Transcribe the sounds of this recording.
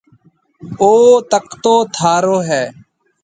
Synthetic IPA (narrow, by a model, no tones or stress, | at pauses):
oːt̪əkt̪oːt̪ʰaːɾoːɦɛː